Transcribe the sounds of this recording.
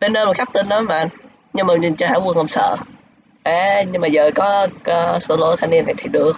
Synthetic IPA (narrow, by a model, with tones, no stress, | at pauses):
ɓe˧nɗəː˧m˨˩t̚sa˦˥k̚t̪i˧˩nɗa˨˦ma̰ː˧˨n | ɲɨ˧ŋmaː˨˩ɲï˨˩ŋt͡ɕɔ˧ɦaː˧˥wu˧ənŋlə˧msə̰ː˧˨ | ʔə˨˩ɲɨ˧ŋmaː˨˩zəː˨˩kɔ˨˦˧so˧˦lo˧˨˦t̪ʰaː˧ni˧ənːa˨˩jt̪ʰi˨˩ɗɨ˨˩ək̚